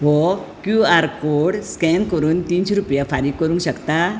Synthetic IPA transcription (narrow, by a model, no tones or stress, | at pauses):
ʋɔkjuaɾkoɽskɛnkəɾuːnt̪iːnsɾupjafaɾik̚kəɾũŋkɕəkt̪a